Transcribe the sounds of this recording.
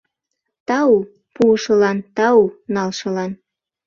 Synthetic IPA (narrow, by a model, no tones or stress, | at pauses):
t̪ɑu | puʃɤ̆lɑnt̪ɑunɑlʃɤ̆lɑn